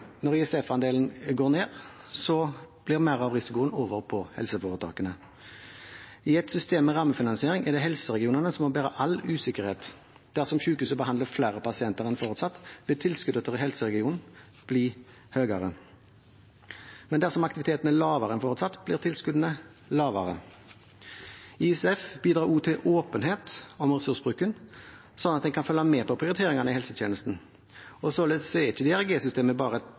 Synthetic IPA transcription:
nɔʁɪɛsɛfɑnd̪eːln̩ɡoːʁneːʁsɔb̥lɪʁmæʁɑʋʁɪsɪkʊənoːʋəʁpʰɔhɛ̰lsəfoːʁət̪ʰɑ̰ːkənə | ɪɛt̪sʏst̪eːmːɛʁɑːmːəfɪnɑnsɪeːʁɪŋɛʁd̪ɛɦɛlsəʁɛɡɪuːnənəsɔmɔbæːʁəʔɑlʉːsɪkəʁheːt̪ | d̪̥æʁsɔmçʉːkʉːsəbəhɑnd̪ləflæːʁəpɑsɪɛnt̪əʁɛnfoːʁʉt̪sɑt̪ːb̥lɪt̪ʰɪlskʉd̪ət̪ʰəʁɪhɛlsəʁɛɡɪuːnn̩ | b̥liː | høːɡɑʁə | mɛnd̪æʁsɔmɑkt̪ɪʋɪt̪ʰeːt̪n̩əlɑːʋɑʁɛnfoːʁʉt̪sɑt̪ːb̥lɪːʁt̪ʰɪlskʉd̪ənə | lɑːʋɑʁə | ɪsɛfbiːd̪ɾɑːʁuːt̪ʰɪʔoːpənɦeːt̪ɔmʁɛsʉʁsbʁʉːkən | sɔnːɑt̪d̪ɛŋkʰɑnfœlːɑmɛːpʰɔpʰʁɪʊɾɪt̪ʰeːʁɪŋɑnəɪhɛlsət̪ʰjeːnəst̪n̩ | ɔsoːleːssɔɛɪçːəd̪ɪæʁɡeːsʏst̪eːməbɑːʁə

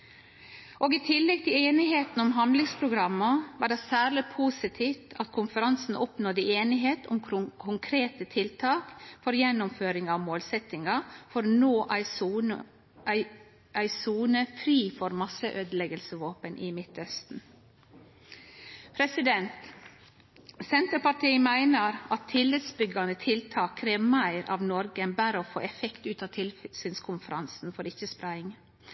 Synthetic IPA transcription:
ʔoːɡiːt̪ʰɪlːɛɡ̚t̪ʰɪleːnɪɦeːt̪n̩ʊmɦɑnd̪lɪŋspʰɾʊɡɾɑmːəʋɑːɖɛsæːɾɭɪpʰuːsɪt̪ʰiːft̪ɑt̪kʰʊnfəɾɑnsn̩ɔpnoːd̪əeːnɪɦeːt̪ʊmkʰʊŋkʰɾeːt̪ət̪ʰɪlt̪ʰɑːkfɔɾjɛnːʊmføːɾɪŋɑʋmoːlsɛt̪ɪŋɑfɔɾnoːʔ | ɪ | æɪsuːnəfɾiːfɔɾmɑsəʔøːd̪əlɛɡəlsəʋoːpənʔɪmɪt̪œst̪n̩ | pʰɾɛsɪd̪ɛnt̪ | sɛnt̪əɾpɑʈʰiːmæɪnəɾɑt̪ʰːɪlːɪt̪sbʏɡɑnət̪ʰɪlt̪ʰɑːkʰːɾeːʋmæɪɾʔɑ̰ːʋnɔɾɡəbæːɾəoːfo̰ːʔɛfɛkt̪ʉːt̪ɑːt̪ʰɪlsinskʰʊnfəɾɑnsn̩fɔɾɪçəspɾæɪɪŋ

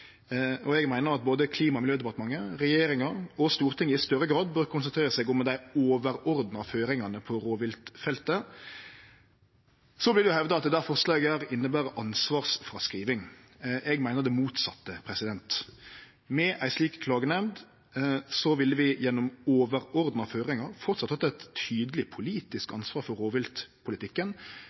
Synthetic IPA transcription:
ɔɛɡmæɪnəɾɑt̪̚boːd̪əkʰliːmɑmɪljøːd̪ɛpɑt̪əmɑŋːəɾɛjeːɾɪŋɑɾɔst̪uːɾt̪ʰɪŋːəɪst̪œɾːəɡɾɑːd̪bøːʁkʰʊnsənt̪ʰɾeːɾəsɛːɡɔmd̪æɪoːʋəɾɔɾd̪n̩ɑføːɾɪŋɑnəpʰɔɾoːʋɪlt̪fɛlt̪ə | sɔblɪʁd̪ɛjʊhɛʋd̪ɑɑt̪̚d̪ɛd̪æːfɔʁʂlɑːɡəæɾɪnːəbæːɾəʔɑnsʋɑːʁsfʁɑskɾiːʋɪŋ | ɛɡmæɪnəɾd̪ɛmuːt̪sɑt̪ːəpʰɾɛsɪd̪ɛnt̪ | mɛʔæɪʂliːkkʰlɑːɡənɛmd̪ | sɔʋɪlːəʋɪjɛnːɔmoːʋəɾɔɾd̪nɑføːɾɪŋɑɾfɔɾt̪sɑt̪hɑt̪ːəɛt̪ʰyːd̪əlɪpʰʊliːt̪ɪskɑnsʋɑːɾfɔɾːoːʋɪlt̪pʰʊlɪt̪ʰɪkːən

